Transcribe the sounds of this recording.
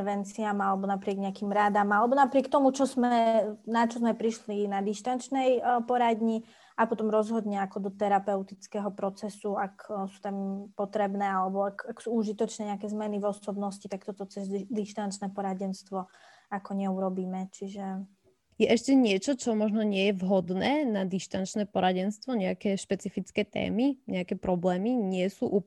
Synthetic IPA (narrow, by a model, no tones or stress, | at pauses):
ɾʋɛnt͡siamalɛbɔnapɾɪɛɡɲɛakimɾad̪amalɛbɔnapɾɪɛk̚t̪ɔmut͡ʃɔzmɛnat͡ʃɔzmɛpɾiʃlinad̪iʃt̪ant͡ʃnɛjpɔɾad̪ɲi | apɔt̪ɔmɾɔzɦɔd̪ɲɛakɔd̪ɔt̪ɛɾapɛʊt̪it͡skɛɦɔpɾɔt͡sɛsuaksut̪ampɔt̪ɾɛbnɛːalɛbɔakaksuuʒit̪ɔt͡ʃnɛɲɛakɛzmɛnivɔsɔbnɔscit̪ak̚t̪ɔt̪ɔt͡sɛzd̪iʃt̪ant͡ʃnɛːpɔɾaɟɛnst̪ʋɔ | akɔɲɛuɾɔbiːmɛt͡ʃiʒɛ | jɛʔɛʃcɛɲɪɛt͡ʃɔt͡ʃɔmɔʒnɔɲɪɛjɛvɦɔd̪nɛːnad̪iʃt̪ant͡ʃnɛːpɔɾaɟɛnst̪ʋɔɲɛakɛːʃpɛt͡sifit͡skɛːt̪ɛ̰ːmiɲɛakɛːpɾɔblɛːmiɲɪɛsuːʔuː